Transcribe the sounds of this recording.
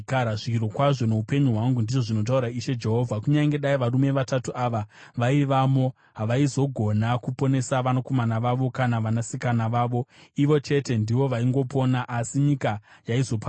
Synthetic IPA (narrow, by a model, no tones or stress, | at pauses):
aɾaʐikiɾo̞kwaʐo̞ne̞upe̞ɲuɦwaŋɡundiʐo̞ʐino̞t̬auɾaiʃe̞d͡ʒe̞ɦo̞vʱakuɲaŋɡe̞ɗaiʋarume̞ʋatatuʔaʋaʋaiʋamo̞ | ɦaʋaizo̞ɡʱo̞nakupo̞ne̞saʋanako̞manaʋaʋo̞kanaʋanasikanaʋaːʋo̞iʋo̞t͡ʃe̞te̞ndiʋo̞ʋaiŋɡo̞po̞naʔasiɲikajaizo̞pa